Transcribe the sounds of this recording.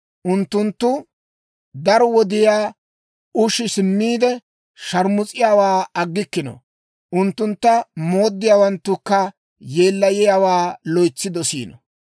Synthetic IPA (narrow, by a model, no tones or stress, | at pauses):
ʔʊnt̪ːʊnt̪ːʊ | d̪ɐɾɔwɔd̪ɪjaː | ʊʃɪsɪmːiːd̪ɛ | ʃɐɾmʊt͡sʼɪjaːwaːɐɡːɪkːɪnɔ̰ | ʔʊnt̪ːʊnt̪ːɐmo̞ːd̪ːɪjaːwɐnt̪ːʊkːɐ | je̞ːlːɐjɪjaːwaːlɔjt͡sːɪd̪ɔsḭːnɔ̰